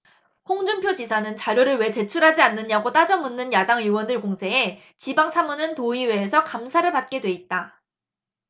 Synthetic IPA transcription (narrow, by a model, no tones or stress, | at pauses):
ɸoŋd͡ʑumpʰjod͡ʑisʰanɯnt͡ɕaɾjoɾɯɭwe̞t͡ɕe̞t͡ɕʰuɾɦad͡ʑianːɯɲaɡot͈ad͡ʑʌmunːɯnjadaŋiwʌndɯɭkoŋsʰe̞e | t͡ɕibaŋsʰamunɯntoiwe̞ːsʰʌkamsʰaɾɯɭpat̚k͈e̞dwe̞it̚t͈a